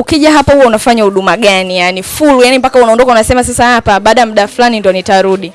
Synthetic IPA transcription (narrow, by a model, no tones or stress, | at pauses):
ukiʄaɦapauwaunafaɲahuɗumaɠanijanifulujanimpakaunaɔndɔkaunasɛmasasahapaɓaːɗam̩ɗafulanindiɔnitaɾuɗi